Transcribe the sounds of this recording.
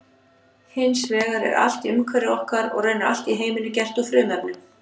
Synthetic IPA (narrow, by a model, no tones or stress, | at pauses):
hɪnsvɛːɣaɾɛ̰ɾa̰l̥t̪iʏmkʰvɛɾɪɔhkaɾɔ̰ɣrœɥnaal̥t̪iɦeːjmɪnːʏcɛr̥t̪ufɾʏːmapnʏ